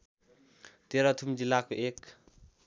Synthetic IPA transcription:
t̪eɾat̪ʰumd͡ʒilakuʔek

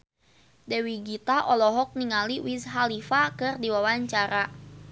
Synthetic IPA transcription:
dɛwiɡit̪aʔɔlɔɦɔk̚niŋaliwisɦalifakɨrdiwawaɲt͡ʃaɾa

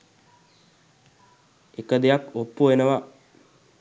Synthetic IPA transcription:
ekəd̪ejakopːuʋenəʋa

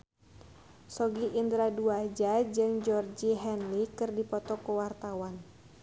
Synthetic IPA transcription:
sɔɡiʔːnd̪ɾaduad͡ʒad͡ʒɨŋd͡ʒɔrd͡ʒiɦɛnlikɨrdipɔt̪ɔkəwart̪awan

